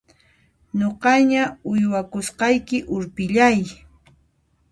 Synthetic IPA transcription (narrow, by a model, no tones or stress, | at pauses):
ɲoqɑɲaʊjwakʊsqɑjkɪʔʊɾpɪʎaj